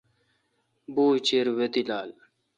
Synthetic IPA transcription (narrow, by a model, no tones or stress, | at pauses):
buːt͡ɕeɾwet̪ilaːl